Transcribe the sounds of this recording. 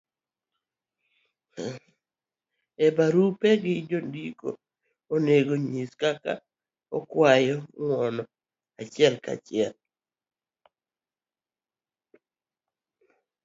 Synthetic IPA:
ebaɾupeɡɪd͡ʒondiko̰ː | neɡoɲiskaka̰ | ɔkwajɔŋwɔnɔ | at͡ʃɪɛlka̰t͡ʃɪɛl

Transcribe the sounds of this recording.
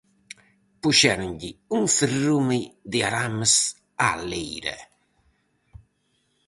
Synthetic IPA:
puʃɛɾuɲɟiuŋfərumed̪ɪaɾamːəs | a̰lːejɾɛ̰

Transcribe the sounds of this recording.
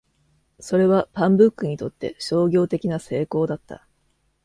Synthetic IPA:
so̞ɾe̞βapãmbɯ̟kːɯ̟ɲ̟it̪o̞t̪ːe̞ɕo̞ːɡʲo̞ːt̪e̞kʲinase̞ːko̞ːd̪at̪ːa̰

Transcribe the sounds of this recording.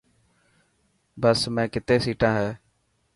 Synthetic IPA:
bəsmɛ̃ːkɪt̪eːsiːʈãːɦɛː

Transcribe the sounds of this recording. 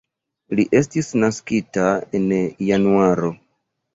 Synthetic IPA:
liʔe̞stisnaskitaenjanuaɾo̞

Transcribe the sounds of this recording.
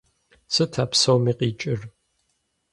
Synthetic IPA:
sɨtʰaːpsɐwmiːqiːt͡ʃʼɪr

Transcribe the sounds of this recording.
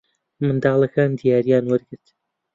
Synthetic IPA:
mɨnd̪aːlˠɐkaːnd̪ijaːɾijaːnwaɾɡɨɾt̪

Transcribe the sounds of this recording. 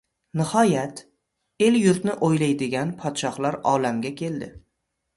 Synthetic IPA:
nɪhɒjat̪ | e̞ljʊɾt̪nɪʔojlajd̪ɪɡʲanpʰɒt̪ʃɒhlaɾɒlamɡʲakʲʰe̞ld̪ɪ

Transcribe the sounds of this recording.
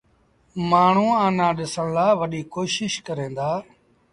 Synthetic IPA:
maːɳ̤ũːãːnãːɗɪsəɳlaːʋəɗiːkoːʃɪʃkəɾẽːnd̪aː

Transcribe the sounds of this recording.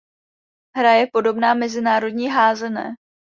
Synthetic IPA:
ɦɾajɛpo̞do̞bnaːmɛzɪnaːɾo̞dɲiːɦaːzɛnɛ̰ː

